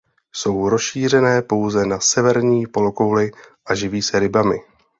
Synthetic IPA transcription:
so̞wɾosʃiːr̝ɛnɛːpo̞wzɛnasɛvɛɾɲiːpo̞lo̞ko̞wlɪʔaʒɪviːsɛɾɪbamɪ

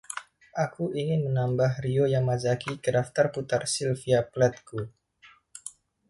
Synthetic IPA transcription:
ʔakuʔiŋɪnmənambaɦriojaŋmad͡ʒakikədaft̪arput̪arsilfiaplat̪̚ku

